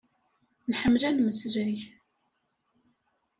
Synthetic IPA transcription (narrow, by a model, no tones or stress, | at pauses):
nħəmːlænməsɾæj